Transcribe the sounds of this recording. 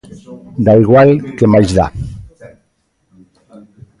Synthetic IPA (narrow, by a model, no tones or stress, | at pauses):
d̪aiɣwalkemajzða̰